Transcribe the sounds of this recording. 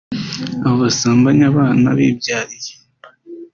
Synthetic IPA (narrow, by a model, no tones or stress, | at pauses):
aβoβasaːmbaɲaβaːna̰βḭːbjaːɾije